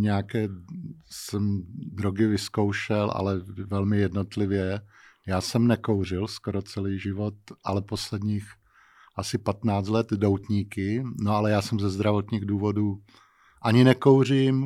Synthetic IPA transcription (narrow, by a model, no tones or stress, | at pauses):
ɲɛjakɛː | sɛmd̪ɾoɡɪvɪsko̞wʃɛlʔa̰lɛvɛlmɪjɛdno̞t̪lɪvjɛjaːsɛmnɛkowr̝ɪlskoɾot͡sɛliːʒɪvo̞t̪ʔalɛpo̞slɛdɲiːx | ʔasɪpat̪naːt͡slɛt̪dowt̪ɲiːkɪnoalɛjaːsɛmzɛzd̪ɾavo̞t̪ɲiːɣduːvo̞duː | ʔaɲɪnɛkowr̝im